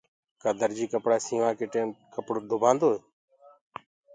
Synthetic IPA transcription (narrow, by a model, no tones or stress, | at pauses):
kaːd̪əɾd͡ʒiːkəpɽaːsiːʋãːkeːʈeːmkəpɽoːd̪ʱʊbʱãːnd̪oːeː